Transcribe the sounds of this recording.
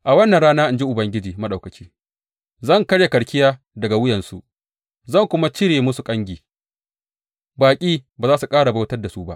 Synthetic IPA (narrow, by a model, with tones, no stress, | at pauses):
ʔa˨wɐ˦nːɐ˨nɽaː˦naː˦ʔɪ˨nd͡ʒi˦ʔʊ˨bɐ˦ŋɡʲɪ˦d͡ʒiː˨mɐ˦ɗa˨wkɐ˨t͡ʃiː˦ | zɐ˦˨ŋkɐ˦ɽja˨kɐ˨ɽkʲɪ˦jaː˦ | dɐ˨ɡa˨wʊ˦jɐ˨nsu˨ʔ | zɐ˦˨ŋkʷʊ˦ma˦t͡ʃɪ˦ɽeː˨mʊ˦su˨kʼɐ˦ŋɡʲiː˨ | baː˨kʲʼiː˦baː˨zaː˦su˨kʼaː˦ɽa˨ba˦wtɐ˦rda˨su˦ba˦ʔ